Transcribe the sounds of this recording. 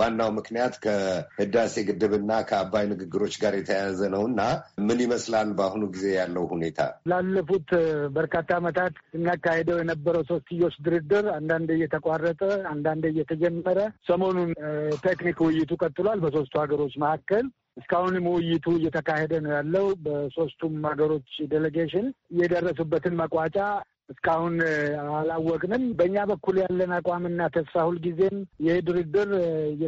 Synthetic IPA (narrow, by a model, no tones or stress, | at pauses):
wanːawmɨknijat̪kʰəhɨd̪ase̞ɡɨd̪ːɨβɨnːakʰəabːajnɨɡɨɡːɨɾo̞t͡ʃːɡaɾjɛt̪ʰəjazənəwɨnːamɨniməslalbahunuɡize̞jalːəwhune̞t̪ʰa̰lalːəfut̪bəɾkat̪ʰːaːmət̪ʰat̪sɨnːakːahed̪əwjɛnəbːəɾəwso̞st̪ɨjːo̞t͡ʃːd̪ɨɾɨd̪ːɨɾand̪and̪ɨjɛt̪ʰəkʼarːət̪ʼəand̪and̪ɨjɛt̪ʰəd͡ʒɛmːəɾəsəmo̞nunt̪ʰeknikwɪjːɪt̪ʰukʼət̪ʼːɨloalbəs̬o̞st̪ʰuhaɡəɾo̞t͡ʃːməhakːəl | ɨskahunməwɪjːɪt̪ʰuɨjːɛt̪ʰəkahed̪ənəjalːəhubəso̞st̪ʰumhaɡəɾo̞t͡ʃːd̪eleɡeʃɪnjɛd̪ərːəsubːət̪ʰɨnməkʼat͡ʃʼa | ɨskʰʼahunalawːɔkʼnɨmbəɨɲːabəkːuljalːənakʼamɨnːat̪ʰəsfahulɡize̞mjɛhed̪ɨɾɨd̪ːɨɾj